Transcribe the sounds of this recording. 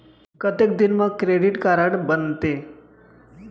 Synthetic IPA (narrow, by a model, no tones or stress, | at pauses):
kət̪ek̚d̪inməkɾeɽiʈkaɾəɽbənt̪e